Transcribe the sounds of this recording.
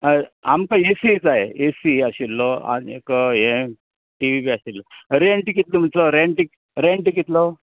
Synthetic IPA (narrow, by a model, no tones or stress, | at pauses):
a̰mkaesid͡zaeesiaɕilːɔa̰niḛkəem | ʈiʋipiaɕilːɔɾeɳʈikit̪ləm̤ət̪lɔɾeɳʈik | ɾeɳʈikit̪lɔ